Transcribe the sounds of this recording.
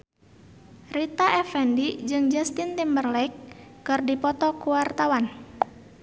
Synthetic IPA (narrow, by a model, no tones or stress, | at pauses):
rit̪aʔɛfɛndid͡ʒɨŋd͡ʒast̪int̪imbərlɛkːɨrdipɔt̪ɔkuwart̪awan